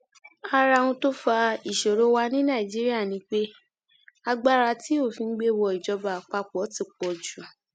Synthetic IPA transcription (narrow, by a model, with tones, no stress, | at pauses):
a˧ɾa˧ũ˧to˦fa˧i˨ʃo˨ɾo˦wa˧nĩ˦nã˦˨i˨d͡ʒi˦ɾi˦a˦˨nĩ˨˧˦k͡pe˦ | a˧ɡ͡ba˦ɾa˧ti˦o˦˨fĩ˧n̩˦ɡ͡be˧wɔ˧i˨d͡ʒɔ˧ba˨k͡pa˧k͡pɔ˨˦ti˦˨k͡pɔ˨d͡ʒu˨